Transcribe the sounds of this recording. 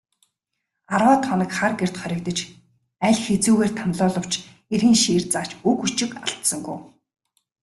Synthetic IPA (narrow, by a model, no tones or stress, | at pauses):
arwaːt̪ʰχɔnə̆kχarɡer̥t̪χœɾʲɪ̆kt̪ə̆t͡ɕ | æɮʲxet͡suːɣeːrt̪ʰanɮʊːɮɞ̆w̥t͡ɕ | erɣiːŋʃiːrt͡saːt͡ɕukut͡ɕɪ̆ka̰ɬt̪sə̆ŋɡuː